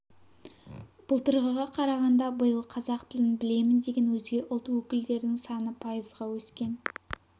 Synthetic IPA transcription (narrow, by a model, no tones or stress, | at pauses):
b̥əlˠt̪əɾʁəʁɑqʰɑɾɑʁɑnd̪ɑbəjəlˠqʰɑzɑqt̪ʰɪlɪnbɪle̞mɪnd̪e̞ɡʲe̞nwɵzɡʲe̞ʔʊlˠt̪əwɵkʲɪld̪e̞ɾd̪ɪŋsɑnəpʰɑjəzʁɑwɵskʲe̞n